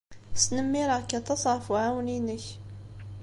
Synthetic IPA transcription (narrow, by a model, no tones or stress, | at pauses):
snəmːiɾˤɑkːat̪ɑsˤʕfuʕawninəç